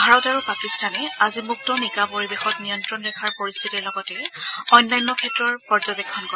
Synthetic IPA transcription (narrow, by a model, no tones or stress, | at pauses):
bʱaɹɔtaɹupakistanɛazimuk̚tɔnikapoɹibexɔtnijɔntɹɔnɹɛkʰaɹpoɹistʰitiɹlɔɡɔtɛɔnlajnɔkʰɛtɹɔɹpɔɹd͡ʒɔbɛkʰːɔnkɔɹɛ